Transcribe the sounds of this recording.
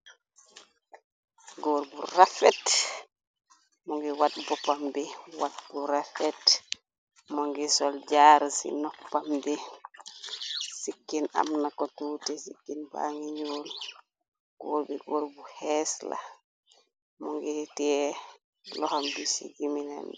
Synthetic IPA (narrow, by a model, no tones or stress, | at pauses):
ɡoɾbuɾafɛt | mɔŋɡɛwatbɔpambɛwat̚b̥uɾafɛt | mɔŋɡɛsɔld͡ʒaɾsḭnɔpːambɛ | sikːina̰mnakɔtutɛsikːinba̰ŋiɲol | ɡ̥oɾbɛɡoɾbuhɛsla̰ | mɔŋɡɛtɛ | lɔhambisḭɡimina̰n